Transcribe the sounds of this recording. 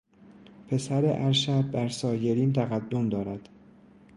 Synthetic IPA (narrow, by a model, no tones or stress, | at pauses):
pʰe̞sæɾeʔæɾʃæd̪̚bæɾsɒːje̞ɾiːnt̪ʰæɣæd̪ːomd̪ɒːɾæd̪̥